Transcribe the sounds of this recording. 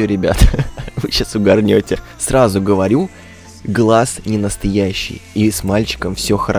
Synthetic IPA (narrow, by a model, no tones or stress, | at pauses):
oɾʲɪbʲa̰t̪vɨɕasʊɡɐrnʲotʲɪ | srazʊɡəvɐɾʲu | ɡlˠasnʲɪnəst̪ɐjæɕːɪ̰jismalʲt͡ɕɪ̥kəmfsʲo̞xəɾɐ